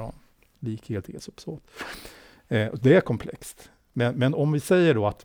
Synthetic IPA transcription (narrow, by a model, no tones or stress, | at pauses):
ɔ̰n | liːkheːlt̪ḛːsɵpsoːt̪ | ɔd̪ɛæɾkʰɔmpʰlɛ̰kst̪ | mɛnmɛnɔmvɪsɛjːəɖoat̪